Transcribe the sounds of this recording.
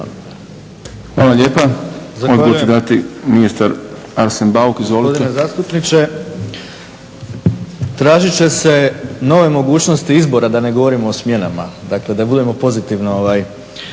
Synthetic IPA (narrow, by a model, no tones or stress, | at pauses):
xʋaːlˠaʎeːpazaod̪ɡaoted̪at̪iminist̪aɾ | aɾsenbaukizʋoliod̪inezaːst̪upnit͡ʃe̞ | t̪ɾaːʒit͡ɕe̞se̞no̞ʋe̞mo̞ɡuːt͡ʃno̞st̪iizbo̞ɾad̪ane̞ɡo̞ʋo̞ɾimo̞osmje̞namad̪akle̞d̪abud̪e̞mo̞po̞zit̪iʋnoo̞ʋaːj